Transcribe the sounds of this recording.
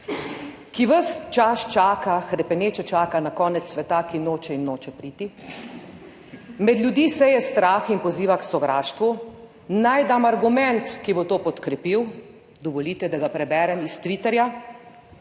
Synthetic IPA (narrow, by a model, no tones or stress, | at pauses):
kiʋəst͡ʃaʃt͡ʃaːkaxɾɛpɛneːt͡ʃɛt͡ʃaːkanakɔːnɛt̪sʋɛt̪akinoːt͡ʃɛinːoːt͡ʃɛpɾiːt̪i | mɛd̪lʲjud̪iːsɛjɛst̪ɾaːxinpɔziːʋaksɔʋɾaːʃt̪ʋu | najd̪amaɾɡumɛnt̪kibot̪oːpɔt̪kɾɛpiw | d̪ɔʋɔliːt̪ɛd̪aɡapɾɛbɛːɾɛmist̪ʋit̪ɛɾja